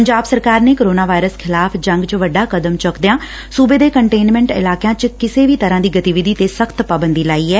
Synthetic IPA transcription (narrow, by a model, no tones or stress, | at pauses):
pəɲd͡ʒaːbsəɾkaːɾneːkoːɾoːnaːʋaːɪɾəskʰɪlaːpʰd͡ʒə̃ŋɡt͡ʃʋəɖːaːkəd̪əmt͡ʃəkd̪ejãː | suːbeːd̪eːkəɳʈeːnmɛ̃ːɳʈɪ̰laːkjãːt͡ʃkɪseːʋiːt̪əɾãːd̪iːɡət̪iʋɪd̪iːt̪eːsəkʰt̪paːbənd̪iːlaːiːɛː